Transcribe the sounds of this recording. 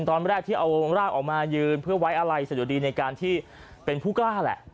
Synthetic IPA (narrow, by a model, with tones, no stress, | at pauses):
nt̪ɔː˧nɾɛː˥˩k̚t̪ʰiː˥˩ʔa˧wɾaː˥˩k̚ʔɔː˨˩k̚maː˧jɯː˧npʰɯ˥˩ɐwa˦˥jʔa˧ɾa˧jsa˨˩ju˨˩˦diː˧na˧jkaː˧nt̪ʰiː˥˩ | pe˧npʰuː˥˩klaː˥˩lɛ̰˨˩ʔ